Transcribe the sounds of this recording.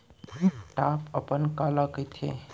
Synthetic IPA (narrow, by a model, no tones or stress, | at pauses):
iʈapəpənkalakəjt̪ʰḛ